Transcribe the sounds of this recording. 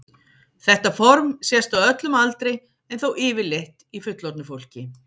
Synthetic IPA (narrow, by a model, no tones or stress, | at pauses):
θɛht̪afɔɾmsjɛst̪awœt̪lʏmalt̪ɾɪ | ɛnθowʔɪːvɪleht̪ifʏt̪lɔɾt̪nʏfowl̥cɪ